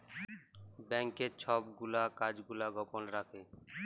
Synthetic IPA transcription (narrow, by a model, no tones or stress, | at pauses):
bɛŋket͡ɕʰɔbɡulakad͡ʑɡulaɡɔponɾakʰe